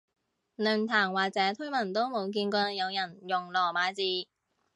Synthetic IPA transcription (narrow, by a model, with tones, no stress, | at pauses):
nɵː˨˩nt̪ʰaː˨˩ŋwaː˨k̚t͡sɛː˨˥t̪ʰɵ˥mɐ˨˩nt̪o˥wmo˨˧wk̬iː˧nkɔː˧jɐ˨˧wjɐ˨˩njʊ˨˩ŋlɔː˨˩maː˨˧˥jt͡siː˨˧